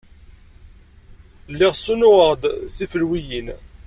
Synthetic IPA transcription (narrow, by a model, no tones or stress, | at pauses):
lːiʁsunʊʁəʁd̪θifəlwijin